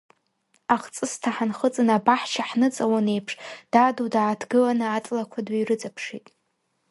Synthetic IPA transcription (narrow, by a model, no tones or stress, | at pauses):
aχt͡sʼɨstʰaħanχət͡sʼɨnabaħt͡ʃʰaħnɨt͡sʼawane̞jpʰʂd̥adudaːtʰɡɨlanɨatʼlakʷʰadirɨd͡zapʰʂḭtʼ